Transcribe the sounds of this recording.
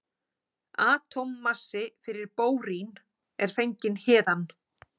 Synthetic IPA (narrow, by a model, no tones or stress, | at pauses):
aːt̪ʰɔmːasːɪfɪɾɪɾpoːwɾin | ɛɾ̥fejɲcɪnhɛːðan